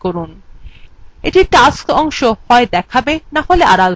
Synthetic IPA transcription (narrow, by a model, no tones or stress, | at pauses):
koɾun | ḛʈiʈaskɔŋʃohɔed̪ɛkʰabenaɦoleʔaɾal